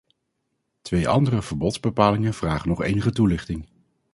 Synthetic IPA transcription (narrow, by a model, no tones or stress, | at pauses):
tʋejʔɑ̰ndərəvəɹbɔtz̥bəpaːlɪŋənv̥raːχənɔχejnəχətulɪχtɪŋ